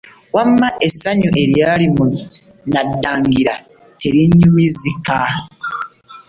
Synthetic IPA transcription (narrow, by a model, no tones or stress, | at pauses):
wamːaʔesaɲuʔe̞ɾjaːlimu | nadːaːŋɡiɾa | teɾiɲːumizika